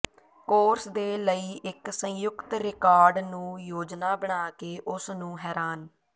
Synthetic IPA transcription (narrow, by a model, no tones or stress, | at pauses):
koːɾsd̪eːləiːʔɪksə̃jʊkt̪ɾɪkaːɾɖnũːjoːd͡ʒnaːbəɳ̃aːkeːʔʊsnũːɦɛːɾaːn